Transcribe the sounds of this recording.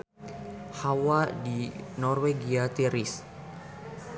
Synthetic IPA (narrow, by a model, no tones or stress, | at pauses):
hawadinɔrweɡiat̪iɾis